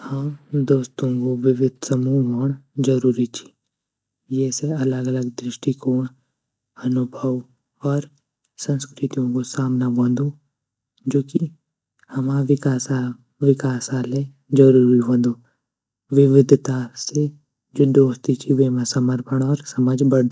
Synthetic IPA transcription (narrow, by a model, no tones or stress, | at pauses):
həmd̪oːst̪õkoʋɪʋɪd̪ʱsəmuːɦɦoːɽd͡ʒɐɾuːɾit͡ʃʰi̥ | jɛseɐləɡələɡ̚d̪ɾɪʃʈikoːɳ̃ | ɐnʊbʱəʋ | ɔːɾ | sə̃nskɾɪt̪ijõkosaːmnabõːnd̪õ | d͡ʒoːki | hɐmaʋɪkaːsa | ʋɪkaːsaːle | d͡ʒɐɾuːɾiɦõːnd̪oː | ʋɪʋɪd̪ʱt̪ase | d͡ʒoːd̪oːst̪it͡ʃʰiʋeːmãsəməɾpʰəɽ̃ɔːɾsəməd͡ʒʱbəɽd̪